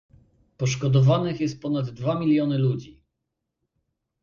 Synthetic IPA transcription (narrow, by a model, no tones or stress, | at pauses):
pɔʂkɔd̪ɔvanɘxjɛst̪̚pɔnad̪ːvamʲilʲjɔnɘlud͡ʑi